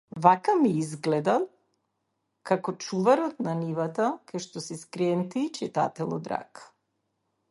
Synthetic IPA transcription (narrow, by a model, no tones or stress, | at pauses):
vakamiizɡlɛd̪alˠ | kakɔt͡ʃuvaɾɔt̪nanivat̪akaʃt̪ɔsɛskɾɛnt̪iːt͡ʃɛt̪a̰t̪ɛlˠɔ̰d̪ɾa̰k